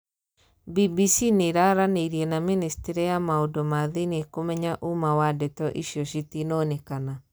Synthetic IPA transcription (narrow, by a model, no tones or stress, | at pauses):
bibisineɾaɾaneiɾiɛnaministeɾijamaodomaðinekomɛɲaʔumawadɛtɔʔiʃjɔʃitinɔnɛkana